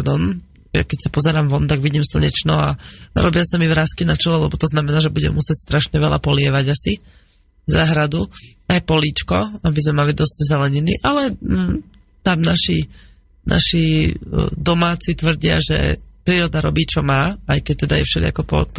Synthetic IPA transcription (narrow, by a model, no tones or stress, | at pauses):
ɾd̪ɔn | a̰kɛcsapɔzɛɾaːmʋɔnt̪aɡʋiɟiːmsl̩ɲɛt͡ʃnɔa̰ɾʔɔ̰bɪasamiʋɾaːskinat͡ʃɛlɛlɛbɔt̪ɔznamɛnaːʒɛbuɟɛ̰mːusɪɛcst̪ɾaʃɲɛʋɛla̰pɔlɪɛʋaɟasi | zaːɦɾad̪uajpɔliːt͡ʃkɔabizmɛmalid̪ɔzɟzɛlɛɲinḭʔalɛ | t̪amnaʃi | nʔa̰ʃi | d̪ɔmaːt͡sit̪ʋr̩ɟɪa̰ʒɛ̰pɾiːɾɔd̪aɾɔ̰biːt͡ʃɔmaːajkɛc̚t̪ɛd̪ajɛ̰fʃɛd̪ɪ̰a̰kɔpɔ̰p